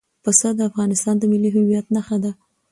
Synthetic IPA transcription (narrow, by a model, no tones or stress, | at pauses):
pəsad̪əafɣɑnɪst̪ɑnd̪əmɪliɦʊwijat̪naxad̪a